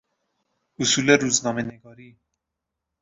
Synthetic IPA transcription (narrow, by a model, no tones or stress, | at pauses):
ʊsuːleɾuznɒːmeneɡɒːɾiː